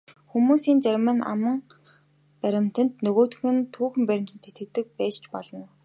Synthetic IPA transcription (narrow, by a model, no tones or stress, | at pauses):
xumuːsiːnt͡særʲmănʔa̰mə̆ŋ | pæɾʲɪ̆m̥t̪ə̆nt̪nɵɣoːt̪ɵ̆xɘ̆nt̪ʰuːxɘ̆mpæɾʲɪ̆m̥t̪ə̆nt̪ʰet̪ɘ̆kt̪ɘ̆k̚pæːt͡ɕt͡ɕpɔɮɞ̆n